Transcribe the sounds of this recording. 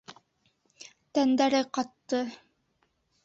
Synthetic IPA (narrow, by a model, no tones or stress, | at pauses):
t̪ænd̪æɾɘqɑt̪ːɤ